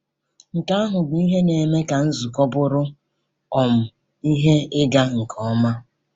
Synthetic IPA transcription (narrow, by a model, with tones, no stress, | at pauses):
ŋ̩˨ka˦a˦ɦʊ˨bi˦ɦe˦ne˨me˦ka˨n̩˦zu˨kɔ˦bʊ˦ɾʊ˦ | ɔ˨m̩˨ | i˦ɦe˦ɪ˦ɡa˦ŋ̩˨kʰɔ˦ma˦